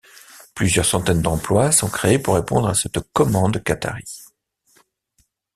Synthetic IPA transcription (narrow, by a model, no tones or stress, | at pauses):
plyzjœʁsɑ̃t̪ɛnd̪ɑ̃plwasɔ̃kχeepuʁːepɔ̃d̪ʁasɛt̪kɔmɑ̃d̪kat̪a̰ʁi